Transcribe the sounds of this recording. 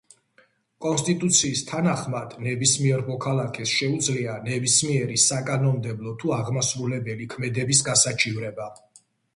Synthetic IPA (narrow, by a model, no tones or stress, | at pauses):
kʼɔnst̪ʼit̪ʼut̪sʰiːst̪ʰanaχmad̪̥nɛbismiɛɾmɔkʰalˠakʰɛsʃɛud̪zlianɛbismiɛɾisakʼanɔmd̪ɛblˠɔt̪ʰuaʁmasɾulɛbɛlikʰmɛd̪ɛbis̬ɡasat͡ʃʰivɾɛba